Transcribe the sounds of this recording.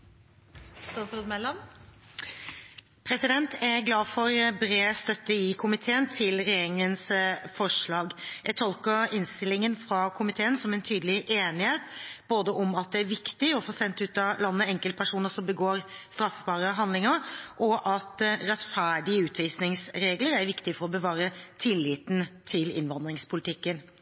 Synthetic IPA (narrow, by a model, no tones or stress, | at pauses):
st̪ɑːt̪sɾoːd̪mɛlːɑm | pʰɾɛsɪd̪ɛnt̪æɡlɑːdfɔɾbɾeːst̪œt̪ːəɪkʰʊmɪt̪ʰeːənt̪ʰɪlɾɛjeːɾɪŋənsfɔʂɭɑːɡjæɡ̚t̪ʰɔlkəɾɪnst̪ɪlːɪŋənfɾɑkʰʊmɪt̪ʰeːənsɔmɛnt̪ʰyːd̪lɪʔeːnɪheːt̪boːd̪əʔɔmɑt̪̚d̪ɛæɾʋɪkt̪ɪɔfɔsɛnt̪ʉːt̪ɑlɑnːəɛŋkəlt̪pʰæʂuːnəʂɔmbəɡoːɾst̪ɾɑfəbɑːɾəɦɑnd̪lɪŋəɾʔɔʔɑt̪ɾɛt̪fæːɖɪəʉːt̪ʰʋiːsnɪŋsɾeːɡləɾæɾʋɪkt̪ɪfɔɾɔbəʋɑːɾət̪ʰɪlːiːt̪n̩t̪ʰɪlɪ̰nʋɑnd̪ɾɪŋspʰʊlɪt̪ɪkːən